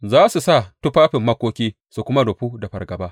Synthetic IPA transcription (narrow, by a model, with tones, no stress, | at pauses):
zaː˦su˨sa˦˨tʊ˦ɸaː˦ɸɪ˨mːɐ˦kʷoː˦kʲiː˦ | su˨kʷʊ˦ma˦ɽʊ˨ɸuː˦da˨ɸɐ˨rɡɐ˨baː˦